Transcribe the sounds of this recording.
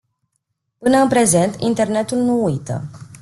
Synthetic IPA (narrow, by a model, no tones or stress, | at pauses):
pɨnəɨnpɾe̞ze̞nt̪int̪e̞rne̞t̪ulnuujt̪ə̰